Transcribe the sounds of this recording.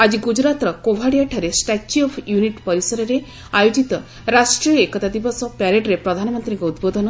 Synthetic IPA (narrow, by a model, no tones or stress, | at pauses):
ad͡ʒiɡud͡ʒɾat̪ɾɔkobʱaɽiaʈʰaɾesʈat͡ʃiɔpʰjuniʈpɔɾisɔɾɔɾe | ajud͡ʒit̪ɔ | ɾasʈɾijɔekɔt̪ad̪ibɔsɔpaɾeɖɾepɾɔd̪ʱanɔmɔnt̪ɾiŋkɔud̪bod̪ʱɔnɔ